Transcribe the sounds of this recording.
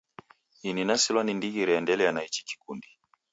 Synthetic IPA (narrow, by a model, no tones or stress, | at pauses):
ininasilwanindiɡiɾɛandɛlɛjanait͡ʃi̥ki̥kundi